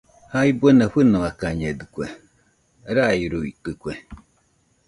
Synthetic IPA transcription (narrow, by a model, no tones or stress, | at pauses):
haibʷənaɸɨnawakaɲɛd̪ɨkʷɛ | ɾaiɾuitɨkʷwɛ